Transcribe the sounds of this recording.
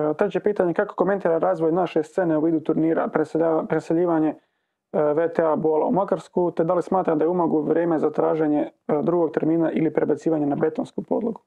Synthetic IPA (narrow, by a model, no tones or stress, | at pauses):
t̪ɾet͡ɕe̞piːt̪aɲe̞kako̞̥kome̞nt̪iːɾaɾaːzʋo̞jnaʃe̞st̪se̞ːneuʋiːd̪ut̪uɾniːɾa̰pːpɾeseʎiːʋaɲe̞ | ʋet̪eabola̰umakaɾskut̪ed̪alismaːt̪ɾamd̪ajeumoɡuʋɾʲjeːme̞zat̪ɾaːʒe̞ɲe̞d̪ɾuːɡo̞ɡ̚t̪eɾmiːnaʔilipɾebat̪siːʋaɲe̞nabe̞t̪onskupo̞̰d̪lˠoɡu